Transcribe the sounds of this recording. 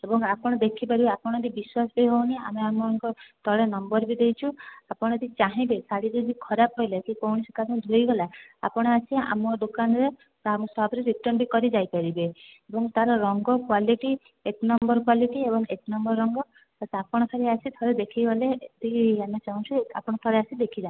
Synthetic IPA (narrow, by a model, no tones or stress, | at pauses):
ebɔŋapɔɽ̃ɔd̪ekʰipaɾibeapɔɽ̃ɔd̪ibiswasbejɦownia̰meamɔŋkɔt̪ɔɭenɔmbɔɾbid̪ejt͡ʃʰuapɔɽ̃ɔd̪it͡ʃaɦĩbesaɽid̪ed͡ʒikʰɔɾapɦɔjlak̪ikowɽ̃isɔkaɾɔ̃d̪ʱujɡɔlaa̰pɔɽ̃ɔasʰia̰mɔd̪okanɔɾe | amũsɔɦabɾeɾiʈɔnbikɔɾid͡ʒajpaɾibeebɔŋt̪aɾɔɾɔŋɡɔkwaliʈi | eknɔmbɔɾkwaliʈiebɔŋeknɔmbɔɾɾɔŋɡɔ | asapɔɽ̃ɔt̪ʰɔɾeasit̪ʰɔɾed̪ekʰiɡɔlet̪iamet͡ʃaɦũt͡ʃʰua̰pɔɽ̃ɔt̪ʰɔɾeasid̪ekʰid͡ʒa